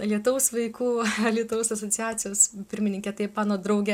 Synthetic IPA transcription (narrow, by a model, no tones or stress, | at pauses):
lʲiɛt̪ʊʋɐʊsʋɐɪkuːlʲiɛt̪ʊʋɐʊsɐsoːt͡s̪ʲjæːt͡s̪ʲɪjoːspʲɪɾʲmʲɪnʲɪŋʲkʲɛt̪ɐɪpmɑːnoːd̪ɾɐʊɡʲɛ